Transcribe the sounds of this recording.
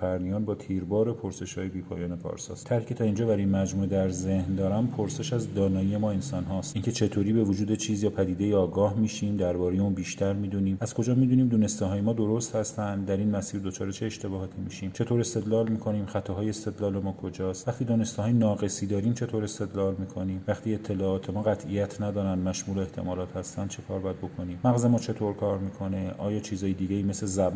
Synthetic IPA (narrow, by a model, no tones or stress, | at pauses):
fæɾnijɒːnbɒːt̪ʰiːɾbɒːɾe̞pʰoɾse̞ʃhɒ̰ːjebiːpʰɒ̰ːjɒːnepʰɒ̰ɾsɒ̰ːst̪ʰæɾhicʰe̞t̪ʰɒːind͡ʒɒːbæɾinmæd͡ʒmuːed̪æɾze̞hnd̪ɒːɾæmpʰoɾse̞ʃæzd̪ɒːnɒːiemɒːe̞nsɒnɦɒst̪iːncʰet͡ʃʰe̞t̪ʰoːɾiːbe̞vod͡ʒuːd̪et͡ʃʰiːzjɒːpʰæd̪iːd̪e̞jiɒːɡɒːhmiːʃiːmd̪æɾbɒːɾeje̞unbiːʃt̪æɾmiːd̪uniːmæz̥kʰo̞d͡ʒɒːmiːd̪uːniːmd̪uːne̞st̪eɦɒːjemɒːd̪o̞ɾost̪hæst̪ænd̪d̪æɾiːnmæsiːɾd̪o̞t͡ʃʰɒːɾet͡ʃʰe̞ːʃt̪e̞bɒːhɒːt̪ʰimiːʃiːmt͡ʃʰe̞t̪ʰoːɾe̞st̪e̞d̪lɒːlmiːkʰo̞niːmxæt̪ʰɒɦɒːjeest̪e̞d̪lɒːle̞mɒːkʰo̞d͡ʒɒːst̪væχt̪iːd̪ɒːne̞st̪iɦɒːjenɒːɣe̞siːd̪ɒːɾiːmt͡ʃʰe̞t̪ʰoːɾe̞st̪e̞d̪lɒːlmiːkʰo̞niːmvæχt̪iːe̞t̪ʰːe̞lɒːɒːt̪ʰe̞mɒːɣæt̪ʰʔijæt̪ʰnæd̪ɒːɾænd̪mæʃmuːloeht̪ʰe̞̰mɒːlɒːt̪hæst̪ænd̪̥̚t͡ʃʰe̞kʰɒːɾbɒjæd̪̚bo̞kʰo̞niːmmæɣzemɒːt͡ʃʰe̞t̪ʰoɾkʰɒːɾmiːkʰo̞ne̞ʔɒ̰ːjɒːt͡ʃʰiːzɒːjed̪iːɡæiːmesezæb